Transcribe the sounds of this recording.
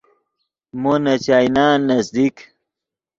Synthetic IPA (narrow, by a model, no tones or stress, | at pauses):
monɐt͡ɕaːjnaːnːɐzd̪ik